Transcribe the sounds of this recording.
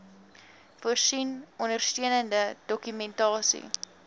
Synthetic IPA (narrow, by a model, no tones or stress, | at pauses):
fuərsinɔndərstiənəndədɔkymɛntɑːsḭ